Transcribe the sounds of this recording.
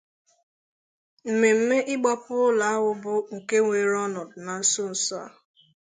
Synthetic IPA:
m̩˨me˨m̩˦me˦ʔɪ˦ɡ͡ba˦pʊ˦la˨a˦wʊ˦bʊ˨ŋ̩˨ke˦ŋʷe˨ɾɔ˦nɔ˨dna˨˦sʊ˦n̩˨sɔ˦a̰˨

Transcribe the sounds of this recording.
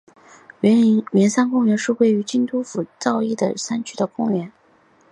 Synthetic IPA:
mɛ˧˥nsa˥nkʊ˥ŋɥɛ˧˥nʂɻ̩˥˧we˥˩ɪy˧˥t͡ɕi˥˧nt̪u˥fu˨˩t͡sɑ˥˧ʊi˥˩d̪ə̰˩sa˥nt͡ɕʰy˥d̪ə˨kʊ˥ŋljɛ˧˥n

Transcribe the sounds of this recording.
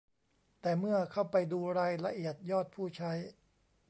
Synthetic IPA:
t̪ɛː˨˩mɯ˥˩ɐkʰa˥˩wpa˧jduː˧ɾaː˧jla˧ʔi˨˩ət̪̚jɔː˥˩t̪̚pʰuː˥˩t͡ɕʰa˦˥j

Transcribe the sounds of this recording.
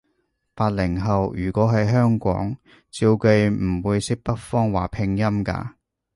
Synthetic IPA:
paː˧t̚lɪ˨˩ŋɦɐ˨wjyː˨˩kʷɔː˨˥ɦɐ˨jɦœː˥ŋkʷɔ̰ː˨˥ŋ | t͡siː˧wke˧jm̩˨˩wuː˨˧jsɪ˥k̚pɐ˥t̚fɔː˥ŋwaː˨˩pʰɪ˧ŋjɐ˥mka̰ː˧

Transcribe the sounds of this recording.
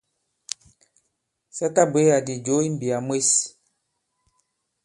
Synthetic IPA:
sɛ˦ta˦be˨˦a˨di˨d͡ʒo˨˦i˦m̩˦˨bi˨a˨mwe˦s

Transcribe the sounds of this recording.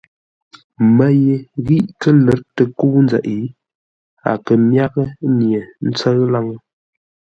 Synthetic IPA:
mə˦je˦ɣi˦ʔkə˦lə˨ɾtə˨ku˦nd͡zə̰˨ʔi˨˦ | a̰˨kə˨mja˦kə˦nje˨n̩˦t͡sə˦ɣla˦ŋə˦

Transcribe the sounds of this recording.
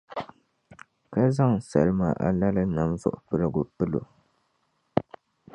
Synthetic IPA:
ka˦za˦ŋsa˨ɾɨ˦ma˨ʔa̰˨la˦lɨ˦na˨mzʊ̰˨ʔʊ˨pɨ˦ɾɨ˨ɡo˨pɨ˦lo̰˨

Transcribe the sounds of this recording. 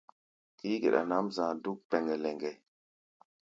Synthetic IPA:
ki˦ɡḛ˨ɗa̰˨na˦mzãː˨du˦k̚pɛ˨ŋɡɛ˨lɛ˨ŋɡɛ˨

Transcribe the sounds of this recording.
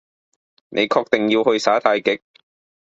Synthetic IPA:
ne˨˧jkʰɔː˧k̚t̪e˨ŋjiː˧whɵ˧ɥsaː˨˥t̪ʰaː˧jkɪ˨˥k̚

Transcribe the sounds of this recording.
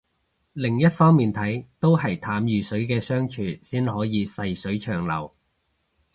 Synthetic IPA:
lɪ˨˩ŋjɐ˥t̚fɔː˥ŋmiː˨˩nt̪ʰɐ˨˥jt̪o˥whɐ˨˩jt̪ʰaː˨˥mjyː˨sɵ˨˥ɥkɛː˧sœː˥ŋt͡ʃʰyː˨˩siː˥nhɔː˨˥jiː˨˧sɐ˧jsɵ˨˥ɥt͡ʃʰœː˨˩ŋlɐ̰˨˩w

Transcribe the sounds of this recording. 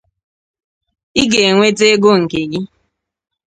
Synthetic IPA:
i˦ɡe˨ŋʷe˦te˦ɡʊ˦ŋ̩˨ke˨ɡi˦

